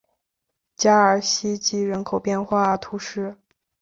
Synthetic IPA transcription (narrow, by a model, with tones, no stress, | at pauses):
t͡ɕja˥ə˞˨˩ɕi˥t͡ɕi˥˩ɻə˧˥nkʰo˨˩ʊpjɛ˥˧nxwa˥˩t̪ʰu˧˥ʂɻ̩˥˩